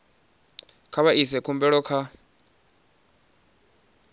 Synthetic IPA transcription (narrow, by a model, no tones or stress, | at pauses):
kʰaβaʔisɛkʰumbɛɺɔkʰa